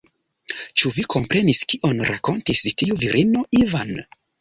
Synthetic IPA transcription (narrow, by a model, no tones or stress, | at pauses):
t͡ʃuvikʰo̞mpɾʔe̞niskiʔo̞nɾako̞ntistiuviɾʔino̞ivan